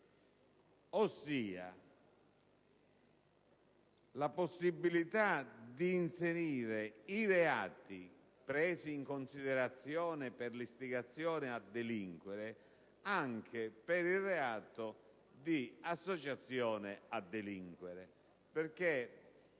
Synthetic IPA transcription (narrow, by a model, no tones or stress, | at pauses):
osːiːa̰ | laposːibːilit̪ad̪iːnseɾiːɾeiɾeaːt̪i | pɾɛːsiːŋkonsiðeɾat̪sːjɔːnɪperlist̪iɡat̪sːjɔːnɪad̪ːeliŋkwɛɾe | aŋk̟ʰepɪɾireaːt̪o | d̪iasːot͡ʃat̪sːjɔːnead̪ːeliŋkwɛɾe | perk̟e